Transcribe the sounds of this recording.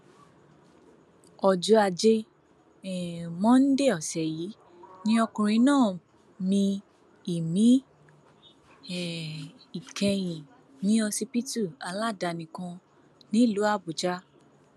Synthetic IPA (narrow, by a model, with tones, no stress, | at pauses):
ɔ˨d͡ʒu˧a˧˨d͡ʒe˧ | ɛ˨mɔ̃˦n̩˦de˦˨ɔ˨sɛ˨ji˨˦ | nĩ˦ɔ˧kũ˧ɾ̃ĩ˧˦nãː˦˨ | mĩ˧ | i˨mĩ˨˦ | ɛ˨ | i˨kɛ̃˧jĩ˨ | nĩ˨˦ɔ˧si˧pi˦tu˦˨a˧˨la˦˨da˧˨nĩ˨kã˧ | nĩ˦˨lu˨˦a˦˨bu˨d͡ʒa˦